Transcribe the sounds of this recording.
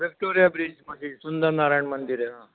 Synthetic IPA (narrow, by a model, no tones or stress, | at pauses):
ʋek̚ʈoɾijabɾid͡ʑmɐsisund̪əɾnaɾajɳmənd̪iɾeɦãː